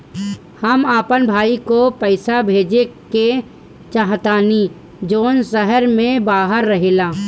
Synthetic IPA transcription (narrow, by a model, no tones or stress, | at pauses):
həmaːpənbʱaːikopəɪsabʱeːd͡ʒeke | t͡ʃaɦt̪aːni | d͡ʒoːnsəɦəɾmẽbaːɦəɾːəɦeːlaː